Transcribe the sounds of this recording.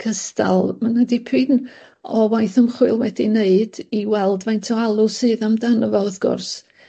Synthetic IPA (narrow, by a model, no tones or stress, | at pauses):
kʰəsta̰lˠmanadɪpʰɨn | ɔwajθəmχwɨlˠwɛdineɨd̥iwɛlˠdvajntʰɔalˠʊsɨːðamdanəvɔðɡ̥ʊ̰rs